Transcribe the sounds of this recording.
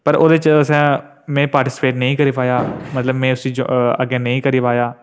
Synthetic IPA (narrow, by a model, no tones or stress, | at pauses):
pəɾoːd̪et͡ʃsɛ̃ː | mɛ̃ːpaːɾʈiːsɪ̥peːʈnəĩːkəɾiːpaːjaːmət̪ləbmɛ̃ːʊsĩːd͡ʒ̰ə̰ɡːeːnəĩːkəɾiːpaːjaː